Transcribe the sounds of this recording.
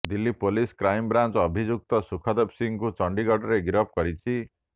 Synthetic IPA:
d̪ilːipoliskɾajmbɾant͡ʃɔɔbʱid͡ʒuk̚t̪ɔsukʰɔd̪epsiŋkut͡ʃɔɳɖiɡɔɖɔɾeɡiɾɔp̚kɔɾit͡ʃʰi

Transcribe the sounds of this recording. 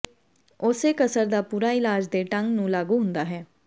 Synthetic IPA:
ʊseːkəsəɾd̪aːpuːɾaːɪlaːd͡ʒd̪eːʈəŋɡnũːlaːɡuːɦʊnd̪aːɦɛː

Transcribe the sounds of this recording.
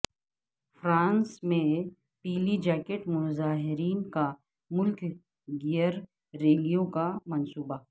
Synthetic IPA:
fɾãːnsmẽ | piːlid͡ʒɛːkeʈmʊzaːɦɪɾiːnka | mʊlk | ɡijəɾː | eːlijõkamɐnsuːba

